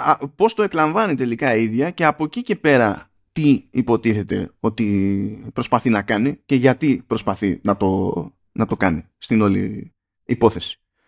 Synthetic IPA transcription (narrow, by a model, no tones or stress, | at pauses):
ɐpo̞st̪o̞e̞klɐɱvɐnit̪e̞likɐiðʝɐce̞ɐpo̞cice̞pe̞ɾɐ | t̪iipo̞t̪iθe̞t̪e̞̰o̞t̪ipɾo̞spɐθinɐkɐnice̞ʝɐt̪ipɾo̞spɐθinɐt̪o̞ | nɐt̪o̞kɐnist̪ino̞lḭ | ipo̞θe̞si̥